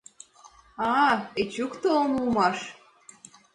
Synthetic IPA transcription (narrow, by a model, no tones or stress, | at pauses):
ɑet͡ɕukt̪oonulˠmɑʃ